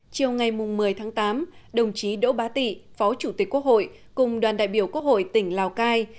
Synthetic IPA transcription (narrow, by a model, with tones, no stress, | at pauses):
t͡ɕi˨˩əwŋa˨˩jmʊ˨˩ŋ͡mːɨ˨˩əjt̪ʰaː˨˦ŋt̪aː˨˦mɗə˨˩wŋ͡mt͡ɕi˨˦ɗo̰˧˥ɓaː˨˦t̪ḭ˧˨fɔ˨˦t͡ɕu˧˩t̪i˨˩k̚kːwək̚ho̰˧˨j | kʊ˨˩ŋ͡mɗwaː˨˩nɗa̰ː˧˨jɓi˧˩əku˦˥ək̚ho̰˧˨jt̪ï˧˩ŋ̟laː˨˩wkaː˧j